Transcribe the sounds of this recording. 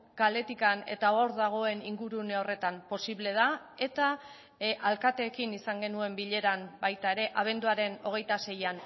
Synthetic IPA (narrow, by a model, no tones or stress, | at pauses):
kale̞t̪ikane̞̰t̪aoɾðaɣ̞o̞e̞niŋɡuɾuneo̞re̞t̪ampo̞siβle̞ð̞a | e̞t̪a | ʔalkat̪e̞ːkinisaŋɡe̞nue̞mbiʎe̞ɾambajt̪ae̞ɾe̞ʔaβ̞e̞nd̪uaɾe̞no̞ɣ̞e̞jt̪ase̞jan